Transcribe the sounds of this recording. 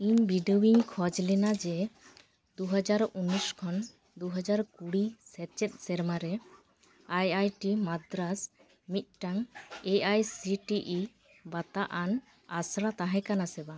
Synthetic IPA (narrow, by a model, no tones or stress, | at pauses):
iɲbiɖəwiɲkʰɔd͡ʒlɛnad͡ʒɛ | d̪uɦad͡ʒaɾunːuskʰɔn | d̪uɦad͡ʒaɾkuɽisɛt͡ʃɛt̪̚ˀsɛɾmaɾɛ | ajajʈimad̪ɾas | mit̪̚ˀʈaŋɛajsiʈiʔi | bat̪aʔan | asɽat̪aɦɛ̃kanasɛba